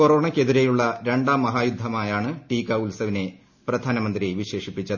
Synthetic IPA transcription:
koro̞ːɳɐkʲːe̞ðiɾejuɭːɐɾe̞ɳɖaːmːɐɦaːjud̪ʱːɐmaːjaːɳɨʈiːkːɐulsɐʋine̞ | prɐd̪ʱaːnɐmɐnd̪riʋiɕe̞ːʂipːit͡ɕːɐðɨ

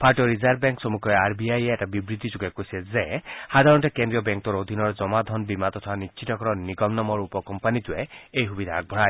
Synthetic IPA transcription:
pʰaɾʈɔɾizaɾ̚bɛŋksɔmukʰɔeaɾbiajeɛʈabibɾit̪id͡ʒuɡekosezehad̪ʱaɾɔnʈekend̪ɾiɔbɛŋkt̪ɔɾod̪ʱinɔɾd͡ʒɔmad̪ʱɔnbimat̪ɔt̪ʰanitːt͡ʃʰit̪ɔkɔɾɔniɡɔmnɔmɔɾupɔkɔmpanit̪ueejɦubid̪ʱaːɡ̚bʱɔɽaj

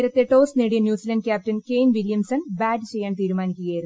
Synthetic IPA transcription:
ɾɐt̪ːeʈo̞ːsneːɽijɐnjuːsiːlɐnɖkʲaːp̚tɐnkeːnʋiljɐmsɐnbaːɖɨt͡ɕe̞jːaːɳt̪iːɾumaːnikʲːuɣɐjiɾun

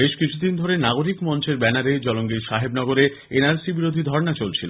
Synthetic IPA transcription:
beʃkit͡ɕʰud̪ind̪ʱoɾenaɡoɾikmɔnt͡ɕeɾbɛnaɾed͡ʑɔloŋɡiʃaɦebnɔɡoɾe | enaɾsibiɾod̪ʱid̪ʱɔɾnat͡ɕolt͡ɕʰilo

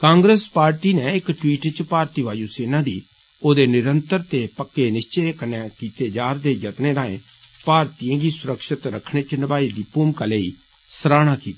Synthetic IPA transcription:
kãːŋɡɾespaːɾʈiːneɪkʈwiːʈt͡ʃpaːɾt̪iːʋaːd͡ʒuːseːnãːd̪iː | oːd̪eːnɪɾənt̪əɾt̪eːpəkːenɪst͡ʃeːkəneːkiːt̪eːd͡ʒaːɾd̪eːjət̪neːɾaːḛ̃ːpaːɾt̪ijãːɡiːsʊɾəkʃɪt̪ɾəkʰɽ̃eːt͡ʃnəbaːid̪iːpuːmkaːleḭː | səɾaːɽ̃aːkiːt̪ḁː

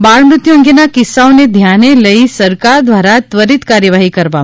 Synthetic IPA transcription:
baɾmɾut̪jõŋɡjenakɪsːaoned̪ʱjaneləisəɾkaɾd̪ʋaɾat̪ʋəɾit̪kaɾjəʋaɦikəɾʋa

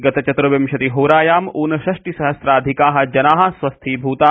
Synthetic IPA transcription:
ɡɐt̪ɐt͡ʃɐt̪ɾɐʋɐmʃɐt̪iɦoːɾaːjaːmuːnɐʃɐʃʈisɐɦɐsɾaːd̪ʱikaːɦɐ̆d͡ʒɐnaːɦɐ̆sʋɐst̪ʰiːbʱuːt̪aː

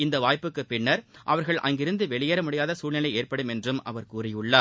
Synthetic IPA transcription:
ɪnd̪ɐʋaːjpɯkːɯpɪɳːɐɾʔɐʋɐɾɣɐɭʔɐ̰ŋɡɪɾɯnd̪ɯʋɛɭɪjɐɾɐmʊɽɪjaːðɐsuːɭnɪlɐɪeːɾpɐɽɯmɛndrɯmɐ̰ʋɐɾkuːrɪjɯɭːɐ

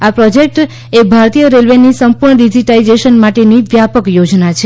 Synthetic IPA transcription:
apɾod͡ʒek̚ʈ | ebʱaɾt̪ijəɾelʋenisəmpuɾɳəɾid͡ʒiʈaid͡ʒeʃənmaʈeniʋjapəkjod͡ʒnat͡ʃʰe

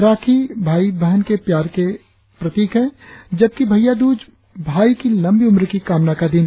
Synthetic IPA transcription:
ɾaːkʰibʱaːibəɦənkepjaːɾke | pɾət̪iːkɦɛ̃d͡ʒəb̚kibʱəjad̪uːd͡ʒ | bʱaːikilɐmbiʊmɾkikaːmnakad̪ɪn

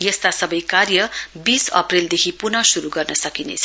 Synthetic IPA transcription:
jʌst̪asʌbʌjkarjʌbisʌ̰preld̪ekʰipunʌsuɾuɡʌrnʌsʌkinḛt͡sʰʌ

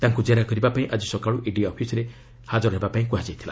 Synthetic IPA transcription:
t̪aŋkud͡ʒaɾakɔɾibapaĩʔad͡ʒisɔkaɭuʔiɖiɔpʰisɔɾe | had͡ʒɔɾɦebapaĩkuɦad͡ʒajt̪ʰila̰

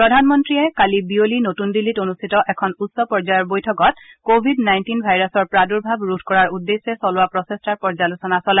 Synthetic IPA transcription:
pɹɔdʱanmɔntɹiajkalibiolinotundilitonustʰitɔʔɛkʰɔnutsɔpɔɹzajɔɹbojtʰɔkɔtkobʱidnajntinbʱajɹasɔɹpɹaduɹbʱabɹudʰʱkɔɹaɹudːesɛsɔlʊwapɹɔsɛstaɹpɔɹzalusɔnasɔlɛ

